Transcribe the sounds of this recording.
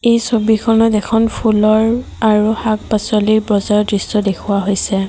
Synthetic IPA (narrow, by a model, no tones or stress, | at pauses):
ejsobikʰɔnɔtɛkʰɔnpʰulɔɹ | aɹuhak̚pasɔlibɹɔzaɹdɹisːɔdekʰuwaɦojsɛ